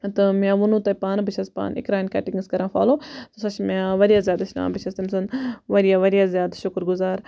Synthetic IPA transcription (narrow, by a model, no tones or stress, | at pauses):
t̪ɐmjãːʋʊnũːt̪ɐpaːnbit͡ʃʰɐspa̰ːnɪ̰kɾaːnkɐːʈiŋɡɨskɐɾãːfa̰ːloːt̪ɐsɐt͡ʃʰmaʋɐɾijaːzjaːd̪ɐʃna̰ːbit͡ʃʰɐst̪ɐmsɐnʋɐɾjaːʋɐɾijaːzjaːd̪ʃʊkɾɡʊzaːɾ